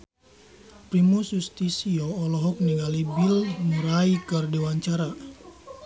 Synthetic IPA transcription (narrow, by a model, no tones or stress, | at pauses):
pɾimusust̪isiɔːlɔɦɔk̚niŋalibilmuɾaikərdiwaɲt͡ʃaɾa